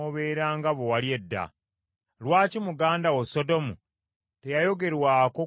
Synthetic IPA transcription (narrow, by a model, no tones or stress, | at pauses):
oβeːɾaːŋɡaβowalje̞dːa̰ | lwaːcimuɡaːndawoso̞do̞mu | te̞jajo̞ɡe̞ɾwaːko